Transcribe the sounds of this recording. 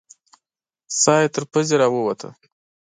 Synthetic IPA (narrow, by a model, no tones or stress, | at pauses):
sɑjet̪əɾpəzeɾɑwəwat̪ʰə̰